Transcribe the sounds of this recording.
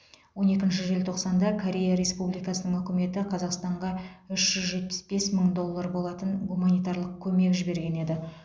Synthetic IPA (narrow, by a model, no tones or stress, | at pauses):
wo̞ne̞kʲɪnʃ̬ɪʒe̞lt̪ʰo̞qsɑnd̪ɑkʰoɾʲe̞jaɾe̞spublijkɑsənəŋɵkʲɪme̞t̪ɪqʰɑzɑqst̪ɑɴʁɑʏʃʒ̥ʏzʒe̞t̪̚pɪ̥sbe̞sməŋd̪o̞lˠːaɾbo̞lˠɑt̪ənɡumanijt̪ɑrlˠəq̚kʲʰɵme̞kʒɪbe̞ɾɡʲe̞ne̞d̪ɪ